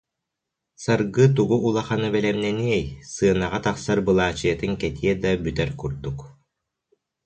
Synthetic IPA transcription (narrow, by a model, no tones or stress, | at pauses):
saɾɡɯt̪̬uɡuːlˠaχanɯbɛlɛmnɛniɛjsɯːnaʁat̪aχsaɾbɯlˠaːt͡ɕɯjɐt̪ɯŋkɛt̪iɛd̪abyt̪ɛɾkuɾd̪uk